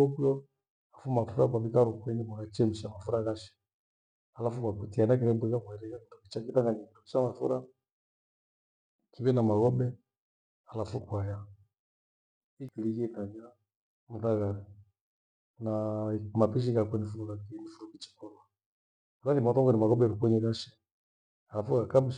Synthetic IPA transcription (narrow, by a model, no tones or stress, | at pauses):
ɔkujɔ | afumafuɾak̬waβikaɾɔkwɛnimakat͡ʃɛmiʃamafuɾaɣaʃi̥ | alafukwakutianak̬iɾɛbɛɣakwaɾɛkakitukit͡ʃakitaŋɡaɲikidukit͡ʃamafuɾa | kiβɛnamaɣɔbɛ | alafukwaja | ikiliɣɛtaɲa | muθaɣa | namapiʃ̬ikakwɛnifunukakinifuɾukit͡ʃi̥kɔla | ulaðimaθɔŋɡɛnimaɣɔbɛɾukɛɲɛɣaʃɛ̥ | alafuɣakam̩ʃ